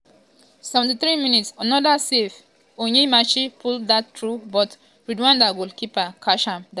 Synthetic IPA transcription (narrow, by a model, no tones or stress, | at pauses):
sɛvɛ̃ntiθɹiminitsanɔdasef | oɲimaʃipʰulddatːɹubɔt | ɹidwãndawilkipakʰaʃãmda